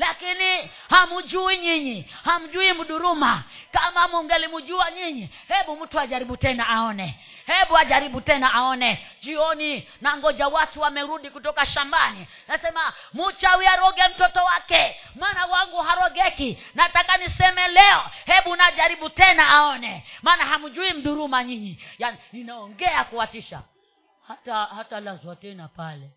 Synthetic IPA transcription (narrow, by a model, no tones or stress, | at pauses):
lakini | hamud͡ʒuiɲiɲiham̩d͡ʒuim̩ɗuɾumakamamuŋɡɛlimud͡ʒuaɲiɲi | hɛɓum̩tuaʄaɾiɓutɛnaaɔnɛ | hɛɓuaʄaɾiɓutɛnaʔaɔnɛd͡ʒiɔni | naŋɡɔd͡ʒawatuwamɛɾuɗikutɔkaʃambani | nasɛma | mut͡ʃawiaɾɔɡɛm̩tɔtɔwakɛmaːnawaŋɡuɦaɾɔɡɛki | natakanisɛmɛlɛɔhɛɓunaʄaɾiɓutɛnaaɔnɛmaːnaɦamud͡ʒuim̩ɗuɾumaɲiɲijanininaɔŋɡɛakuwatiʃa̰ | hatahatalazwatɛnapalɛ